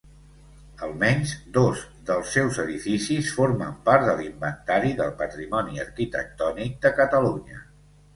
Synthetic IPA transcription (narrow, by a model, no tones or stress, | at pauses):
əlˠmɛɲzd̪oz | ðəlˠsːɛwzəðifisisfoɾməmpaɾt̪d̪əlimbənt̪aɾiðəlˠpət̪ɾimɔniəɾkit̪ə̰k̚t̪ɔnik̚d̪əkət̪əluɲə